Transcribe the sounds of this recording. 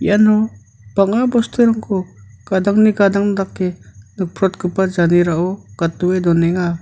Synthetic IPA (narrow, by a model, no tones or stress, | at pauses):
j̰anɔ | b̥aŋabɔstʰɯɾaŋkʰɔɡ̥ad̪aŋniɡad̪aŋd̪akːenɯk̚pʰɾɔt̚ɡɯpad͡ʒaniɾaʔɔɡ̥at̪uwed̪ɔnɛŋa